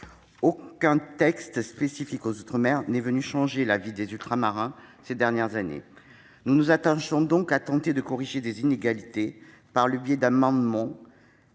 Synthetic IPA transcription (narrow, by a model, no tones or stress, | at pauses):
okɛ̃t̪ɛkst̪spesifikozot̪χəmɛʁnɛvənyʃɑ̃ʒelavid̪ezylt̪χamaʁɛ̃sed̪ɛʁnjɛʁzanḛ | nunuzat̪ɑ̃ʃɔ̃d̪ɔ̃kat̪ɑ̃t̪ed̪əkɔʁiʒed̪ezineɡalit̪e | paʁləbjɛd̪amɑ̃d̪mɑ̃